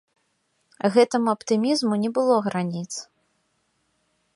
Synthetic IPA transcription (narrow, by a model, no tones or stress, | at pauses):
ɣɛt̪ɨmuɐpt̪ɨmʲizmunʲɛbɨlˠɔɣɾanʲit̪s